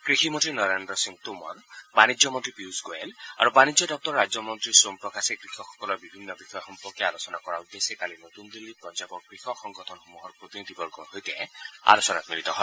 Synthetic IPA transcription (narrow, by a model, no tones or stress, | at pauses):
kɹiximɔntɹinɔɹendɾɔsiŋt̪umɔ̰nbanizɔmɔnt̪ɹipusɡoela̰ɹubanid͡ʒɔdɔk̚tɔɹːad͡ʒzɔmɔnt̪ɹisompɹɔkasekɹixʰɔkʰːɔ̥kɔlɔɹbibʱinːɔbixɔjɔxɔmpɔkjɔalosɔnakɔɹawdesekalinot̪und̪ilːipɹɔd͡ʒabɔkɹixɔkxɔŋɡɔtʰɔnxumuɦɔɹpɹot̪inid̪ʱibɔɹɡɔnɦojt̪ɛa̰losɔna̰kmilit̪ɔɦɔj